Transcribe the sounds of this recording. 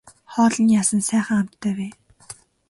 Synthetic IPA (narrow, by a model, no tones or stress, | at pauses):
χɔːɮɞ̆njaːsə̆nsæːχə̆ŋam̥t̪ʰːœːweː